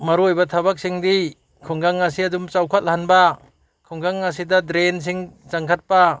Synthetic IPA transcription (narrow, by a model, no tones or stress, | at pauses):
maɾuojbatʰabak̚siŋdi | kʰɔŋɡaŋːasiadumt͡ʃawkʰat̚laɦanba | kʰɔŋɡaŋːasidadɾens̬iŋt͡ʃaŋkʰat̚pa